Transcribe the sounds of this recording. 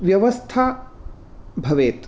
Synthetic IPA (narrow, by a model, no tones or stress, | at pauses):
ʋjɐʋɐst̪ʰa | bʱɐʋeːt̪